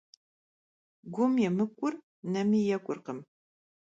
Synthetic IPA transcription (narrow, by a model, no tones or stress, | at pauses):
ɡʷʊmjɛmɨkʷʼʊr | nɐmijɛkʷʼʊrqəm